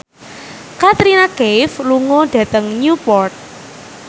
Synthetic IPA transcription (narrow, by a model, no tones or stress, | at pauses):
kat̪ɾinaɡejfluŋɔɖ̥a̤t̪əŋɲupɔrt̪̚